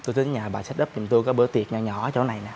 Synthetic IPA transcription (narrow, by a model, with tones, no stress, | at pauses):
t̪o˧jt̪ʰi˨˦nɲaː˨˩ɓaː˨˩sɛ˦˥t̚ɗə˦˥p̚ɲʊ˨˩ŋ͡mt̪u˧jkɔ˨˦ɓɨ˨˦t̪i˨˩ət̚ɲa˧ɲɔ˧˩˦t͡ɕo˨˦wna˨˩jnaː˨˩